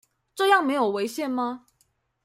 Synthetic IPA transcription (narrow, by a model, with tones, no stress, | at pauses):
ʈ͡ʂɤ˥˧jɑ˥˨ŋme˧˥ɪjo˨˩ʊwe˧˥ɪɕjɛ˥˩nma˧